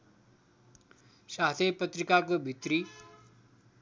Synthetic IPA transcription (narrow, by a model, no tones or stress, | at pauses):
ʃasepət̪ɾikakobʱit̪ɾi